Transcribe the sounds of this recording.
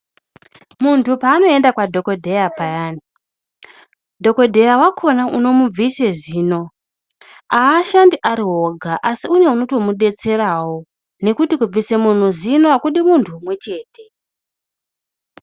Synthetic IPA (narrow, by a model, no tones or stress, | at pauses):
muntʰupaːno̞e̞ndakwadʱo̞ko̞dʱe̞japajaːni | dʱo̞ko̞dʱe̞jawakʰo̞naʔuno̞mub͡vise̞ziːno̞ | aːʃandiʔaɾiɦo̞ɡʱaʔasiune̞uno̞to̞muɗe̞t͡se̞ɾawo̞ | ne̞kutikub͡vise̞mun̤uzinoakuɗimuntʰumwe̞t͡ʃe̞ːtʰe̞